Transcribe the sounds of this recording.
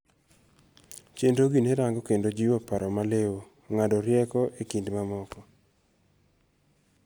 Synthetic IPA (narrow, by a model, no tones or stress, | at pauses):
t͡ʃendoɡineɾaŋɡɔkendod͡ʒiwapaɾɔmalewo | ŋadɔɾjɛkɔʔekindmamɔkɔ